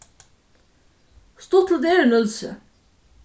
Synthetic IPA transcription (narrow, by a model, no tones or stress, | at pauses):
st̪oːt̪ʰl̩d̪eːɾənœlsə̰